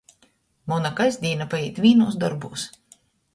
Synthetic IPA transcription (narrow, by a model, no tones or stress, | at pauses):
mɔnakajzʲd̪ʲiːnapajiːt̪vʲiːnuːs̬d̪ɔɾbuːs